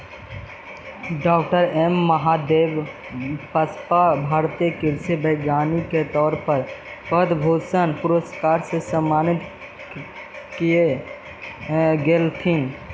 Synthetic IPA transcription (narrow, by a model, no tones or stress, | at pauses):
ɖɔːk̚ʈəɾemːəɦad̪eːb | pəspabʱaːɾt̪iekɪɾsebəɪɡaːniket̪ɔːɾpəɾpəd̪bʱoːsənpʊɾoskaːɾsesəmːaːnɪt̪ | kie | ɡeːlt̪ʰin